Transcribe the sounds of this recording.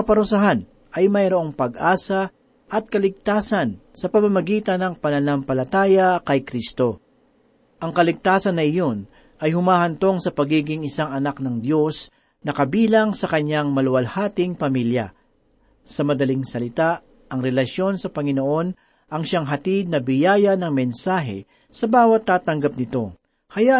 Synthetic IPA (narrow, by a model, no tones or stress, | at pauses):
ɐpɐɾʊsaɦan | ʔɐjmɐjɾoʔo̞ŋpɐɡʔaːsɐ | ʔɐt̪̚kɐlɪɡ̚t̪aːsɐnsɐpɐmɐmɐɡiːt̪ɐnɐŋpɐnɐnampɐlɐt̪aːjɐkɐjkɾist̪o̞ | ʔɐŋkɐlɪɡ̚t̪aːsɐnːɐʔɪjo̞n | ʔɐjhʊmaːhɐnt̪o̞ŋsɐpɐɡiːɡɪŋɪsaŋɐnak̚nɐŋd̪jo̞s | nɐkɐbiːlɐŋsɐkɐɲːaŋmɐlʊwɐlhaːt̪ɪŋpɐmiljɐ̰ | sɐmɐd̪ɐlɪŋsɐlɪt̪aʔ | ʔɐŋɾɛlɐʃjo̞nsɐpɐŋɪnoʔo̞n | ʔɐŋʃaŋɦɐt̪id̪̚nɐbɪjaːjɐnɐŋmɛnsaːɦɛ̰ | sɐbaːwɐt̪ːaːt̪ɐŋɡɐp̚nɪt̪o̞ | hɐja